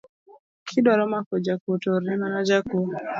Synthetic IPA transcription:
kʰɪdɔɾɔmakɔd͡ʒakotoɾɪnanad͡ʒako

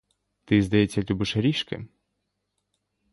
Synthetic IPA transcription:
t̪ɪzd̪ɐjɛt͡sʲːɐlʲubɨʃɐɾʲiʃkɪ̰

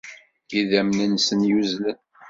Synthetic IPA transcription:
iðæmnənsənjuzlən

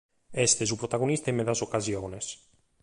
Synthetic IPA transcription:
est̪esupɾot̪aɣonist̪emːeðasokazjones

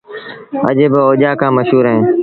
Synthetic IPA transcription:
ə̰ʄeːbɪoːʄaːkãːməʃɦuːɾɦẽː

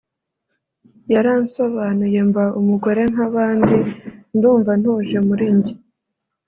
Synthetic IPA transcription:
jaɾanso̞βaːnuje̞mvaumuɡo̞ɾe̞naβaːndinduːɱvan̥huːʒe̞muɾiɲɟi

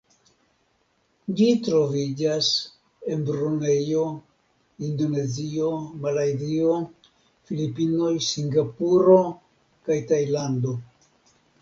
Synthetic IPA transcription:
d͡ʒitɾo̞vid͡ʒas | e̞nbɾune̞jo | indone̞zio̞malajzio̞ | filipino̞jsiŋɡapuɾo̞ | kajtajlando̞

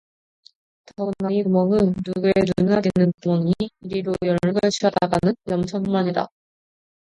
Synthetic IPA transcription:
taɯnːaikɯmʌŋɯnːuɡenɯnadenɯnkɯmʌŋiiɾiɾojʌɭːɯɡɯɭɕʰiʌdaɡanɯnjʌŋt͡ɕʰʌnmaɲida̰

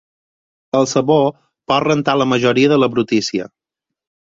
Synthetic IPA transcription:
əlˠsəβo | pɔrənt̪aləməʒuɾiəðələβɾut̪isiə̰

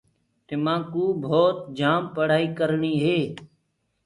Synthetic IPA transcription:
t̪ɪmãːkuːbʱoːt̪̚d͡ʒaːmpəɽ̤aːiːkəɾɳiːɦeː

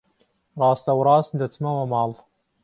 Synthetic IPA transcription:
ɾˤɑːst̪awɾˤɑsnd̪æt͡sːmæwæmalˤ

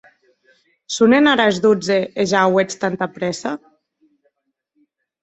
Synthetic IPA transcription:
sunenaɾaezðud͡zeeʒawet͡ʃt̪ant̪apɾɛsa

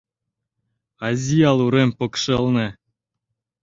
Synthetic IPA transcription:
ɑzʲiɑlˠuɾempokʃelˠnɘ̆

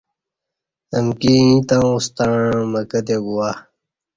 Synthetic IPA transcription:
əmkiĩt̪ãust̪aɻmɐkət̪eɡuwa

